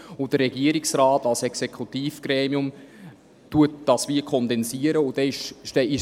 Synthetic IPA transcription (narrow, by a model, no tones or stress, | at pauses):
ʊd̥əɾɛɡ̥iəɾɪksrɑːtɑlsɛksɛkʰut̪iːfɡ̥ɾɛːmiʊm | tuət̚d̥ɑsʋikʰɔnd̪ɛnsiəɾəʊd̥ɛɪʃʃtɛɪ